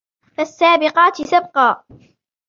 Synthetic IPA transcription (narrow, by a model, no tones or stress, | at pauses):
fasːaːbɪqɑːt̪ɪsab̚qɑː